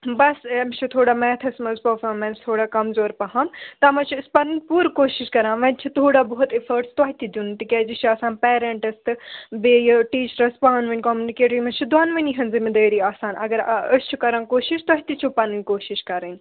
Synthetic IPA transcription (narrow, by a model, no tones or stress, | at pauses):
bɐseːmt͡ʃʰut̪ʰoːɽaːmɛːt̪ʰɐsmɐzpɐɾfɔːɾmẽːnst̪ʰoːɽaːkɐmzoːɾpɐɦɐ̃mt̪ɐmɐt͡ʃʰuɪspɐniŋɡpuːɾkoːʃiʃkɐɾãːʋɐ̃nt͡ʃʰut̪ʰoːɽaːbɐɦʊt̪efʰɐɾʈst̪ɔːɦt̪id̪unt̪ikʲɛːd͡ʒist͡ʃʰiaːsaːnpɛːɾeɳʈɐst̪ɨbeːjʈiːt͡ʃɾɐspaːnʋẽɳʈkɔːmjunikeːʈimɐ̃t͡ʃʰud̪aːnʋɐniɦɐnzimid̪ɐːɾiːaːsaːnɐ̰ɡɐɾɐst͡ʃʰukɐɾãːnkoːʃiʃt̪ɐɦit̪it͡ʃʰupːaniŋʲkoːʃiʃkɐɾənʲ